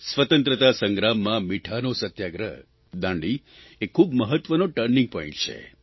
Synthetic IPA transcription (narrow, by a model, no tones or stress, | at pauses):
sʋət̪ə̃nt̪ɾət̪asəŋɡɾamːãmiʈʰanosət̪jaɡɾə̰ | d̪ãɳɖi | ekʰːubməɦət̪ʋənoʈəɾnĩŋɡ̚pɔ̃ĩɳʈt͡ʃʰḛ